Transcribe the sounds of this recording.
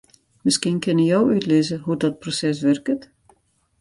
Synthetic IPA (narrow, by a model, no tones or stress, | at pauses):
mɪskinkʰɪnəjowytlɪzəɦudɔt̚prosɛs̬ʋɛrkət